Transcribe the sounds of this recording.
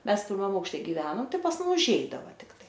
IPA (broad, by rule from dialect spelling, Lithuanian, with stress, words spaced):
ˈmʲɛs pʲɪrˈmɐm ɐʊkʃʲˈtʲɛ ɡʲɪˈʋʲæːnoːm ˈtɐɪ pɐs ˈmʊm ʊʒʲˈɛɪdɐʋɐ tʲɪkˈtɐɪ